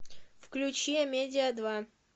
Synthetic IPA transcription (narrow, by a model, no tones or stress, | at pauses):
fklʲʉt͡ɕiəmʲedʲɪəd̪va